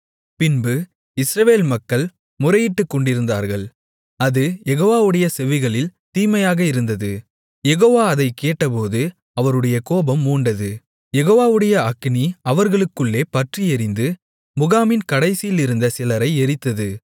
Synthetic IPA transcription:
pɪnbɯ | ɪsɾɐʋeːlmɐkːɐɭ | mʊɾɐjɪʈːɯkːɔɳɖɪɾɯnd̪a̰ːɾɣɐɭ | ɐðɯjɛɣoːʋaːʋɯɽɐjɐsɛʋɪɣɐɭɪlt̪iːmɐjaːɣɐɪɾɯnd̪ɐðɯ | jɛɣoːʋaːɐðɐɪkeːʈːɐpoːðɯ | ɐʋɐɾɯɽɐjɐkoːbɐmːuːɳɖɐðɯ | jɛɣoːʋaːʋɯɽɐjɐɐkniɐʋɐɾɣɐɭɯkːɯɭːeːpɐʈriɛɾɪnd̪ɯ | mʊɣaːmɪnkɐɽɐɪsɪjɪlɪɾɯnd̪ɐsɪlɐɾɐɪɛɾɪt̪ːɐðɯ

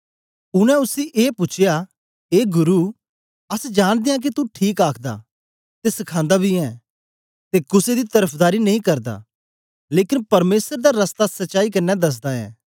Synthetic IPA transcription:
ʊnɛ̃ʊsiʔeːpʊt͡ʃʰja | eːɡʊɾu | ɐsd͡ʒaːɽ̃d̪ejãk̬it̪ũʈʰiːkaːkʰd̪a̰ː | t̪esɐkʰãːnd̪abʱiɛ̃ː | t̪ekʊsed̪it̪ɐɾəpʰd̪aːɾinɐɦĩkɐɾd̪a̰ː | leːkɪnpɐɾmeːsəɾd̪aɾɐst̪asɐtːʃaːikɐnːɛd̪ɐs̬d̪aɛ̰̃ː

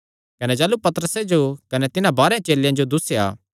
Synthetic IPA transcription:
kɐned͡ʒɛːlupɐt̪əɾəsed͡ʒokɐnet̪ɪnãbaːɾẽt͡ʃeːljãd͡ʒod̪ʊsea̰ː

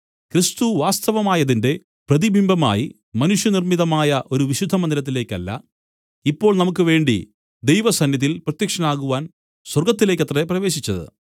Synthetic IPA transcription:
krist̪uʋaːst̪ɐʋɐmaːjɐðinde̞ | prɐðibʱimbʱɐma̰ːji | mɐnuʂjɐnirmiðɐmaːjɐʔo̞ɾuʋiɕud̪ʱːɐmɐnd̪ilɐt̪̬ːile̞ːkːɐlːɐ̰ | ipːo̞ːɭnɐmuk̬ːɨʋe̞ːɳɖḭ | d̪ejʋɐsɐnjɐðilprɐt̪jɐkʂɐnaːɣuʋaːn | swɐrɡɐt̪ːile̞ːkːɐt̪rɐeprɐʋe̞ːɕit͡ɕːɐðɨ̰

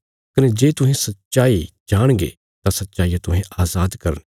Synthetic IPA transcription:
kɐned͡ʒeːt̪ʊɦẽsɐt̪ːʃaːid͡ʒaːɽ̃ɡḛː | t̪ãsɐt̪ːt͡ʃaːijat̪ʊɦẽʔaːzaːd̪kɐɾən

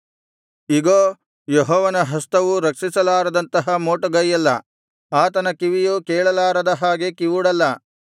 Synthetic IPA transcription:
iɡoː | jɔɦɔːʋɐnɐɦɐst̪ɐʋuɾɐkʂisɐlaːɾɐd̪ɐnt̪ɐɦɐmoːʈɐɡɐjɐlːɐ | aːt̪ɐnɐkiʋijukɛːɭɐlaːɾɐd̪ɐɦaːɡekiʋuɽɐlːɐ

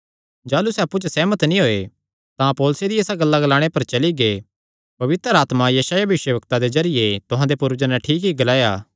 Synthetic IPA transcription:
d͡ʒaːlusɛɐpːut͡ʃsɛːmət̪nĩɦoːe | t̪ãpoːlsed̪ieːsaɡɐlːaɡɐlaːɽ̃epɐɾt͡ʃɐliɡe | pɐʋɪt̪ɾəɾaːt̪majɐʃaːjabɪʃwəʋəkt̪ad̪ezɐɾɪjet̪ʊɦãːd̪epʊɾd͡ʒənaʈʰiːkɦik̚ɡɐlaːjaː

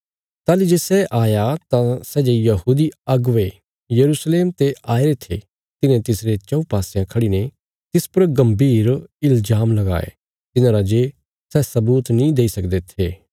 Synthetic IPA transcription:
t̪aːlid͡ʒeːsɛʔaːjat̪ãsɛːd͡ʒejɐɦuːd̪iɐɡʋe | jɐɾuːsleːmt̪eaːeɾet̪ʰḛ | t̪ɪnẽt̪ɪsɾet͡ʃɐ̃upaːsjãkʰɐɽine | t̪ɪspɐɾɡɐ̃mbiːɾɪld͡ʒaːmlɐɡa̰ːḛ | t̪ɪnãːɾad͡ʒeː | sɛːsɐbuːt̪nĩd̪eːisɐkd̪et̪ʰeː

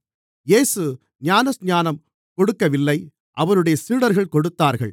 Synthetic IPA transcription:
jeːsɯ | ɲaːnɐsɲaːnɐm | kɔɽɯkːɐʋɪlːɐɪ | ʔɐʋɐnɯɽɐjɐsiːɽɐɾɣɐɭkɔɽɯt̪ːaːɾɣɐ̰ɭ

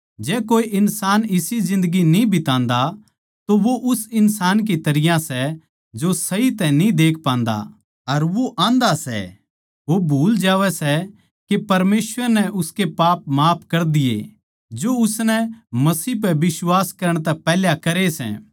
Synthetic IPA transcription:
d͡ʒɛːkoːiʔɪnsaːnɪsizɪ̃nd̪əɡinĩbʱɪt̪ãːnd̪a | t̪oʋoʔʊsɪnsaːnk̬it̪ɐɾɪjãsɛ | d͡ʒosɐit̪ɛ̃nĩd̪eːkʰpãːnd̪a̰ | ɐɾʋoʔãːnd̪asɛ̰ | ʋobʱuːld͡ʒaːʋɛsɛ | kepɐɾmeːsʋəɾnɛʔʊskepaːp̚maːpʰkɐɾd̪ɪjḛ | d͡ʒoʊsnɛmɐsiːp̬ɛʋɪswaːskɐɾəɽ̃t̪ɛpɛːljakɐɾesɛ̰ː

